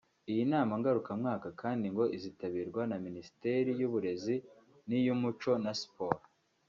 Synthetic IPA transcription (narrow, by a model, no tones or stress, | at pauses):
ijinaːmaŋɡaɾukamŋaːkakʰaːndiŋɡo̞ʔizitaβiːɾɡwanaminisi̥teɾijuβuɾe̞zi | nijumut͡ʃo̞naspoɾa